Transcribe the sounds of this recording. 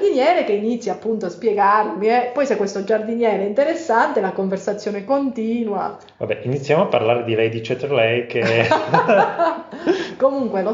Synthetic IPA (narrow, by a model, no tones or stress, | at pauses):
d̪injɛːɾekeinit̪sːjapːunt̪oaspjeɡarmiɛpɔjsɛkːwest̪od͡ʒard̪injɛːɾeint̪eɾesːant̪elakoɱversat̪sːjoːnɛkont̪iːnwa̰ | va̰bɛʔinit̪sːjamoapːa̰rlaːɾed̪ilɛjd̪it͡ʃɛt̪ɾlɛjke | komuŋkwelo